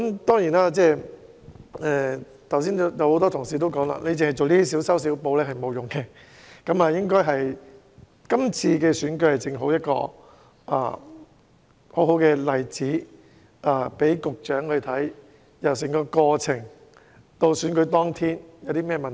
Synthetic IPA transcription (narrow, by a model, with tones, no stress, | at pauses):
kɐ˦˥mt̪ɔː˥ŋjiː˨˩naː˥t͡sɛː˥˧ | ɛ˧ | t̪ʰws̬iː˥n˧jɐ˨˧who˨˧˥t̪ɔː˥t̪ʰʊ˨˩ŋsiː˨t̪o˥wkɔː˨˥ŋla̰ː˧nʔe˨˧jt͡sɪ˨ŋhɐ˨˩jt͡so˨wliː˥i˥s̬iː˨˥wsɐ˥ws̬i˨˥wpo˧wlɛː˥ɦɐ˨jmo˨˧wjʊ˨ŋkɛ˧ | kɐ˨˧˥maː˨jɪ˥ŋkɔː˥jɦɐ˨j | kɐ˥mt͡sʰiː˧kɛː˧syː˨˥nkɵ˧ɥhɐ˨˩jt͡sɪ˨ŋɦo˨˥wjɐ˥t̚kɔ̰ː˧ | ʔa̰˨˧ | ho˨˥wɦo˨˥wkɛː˧lɐ˨jt͡siː˨˥ | ʔaː˨˧pe˨˥jkʊ˨k̚t͡ʃœː˨˥ŋhɵ˧t̪ʰɐ˨˥j | jɐ˨˩ws̬ɪ˨˩ŋkɔː˧kɔː˧t͡sʰɪ˨˩ŋ | t̪o˧wsyː˨˥nkɵ˨˥t̪ɔː˥ŋt̪ʰiː˥njɐ˨˧wt̪i˥mɛː˥˩mɐ˨n˨